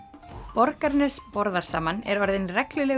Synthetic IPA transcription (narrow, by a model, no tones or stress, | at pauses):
pɔɾkaɾnɪspɔɾðaɾ̥sa̰ːmanɛɾɔɾðɪnrɛklʏlɛː